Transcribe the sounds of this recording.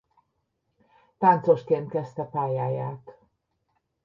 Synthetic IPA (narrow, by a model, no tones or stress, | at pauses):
t̪ant̪so̞ʃkeːnt̪̚kɛst̪ɛpaːjaːjaːt̪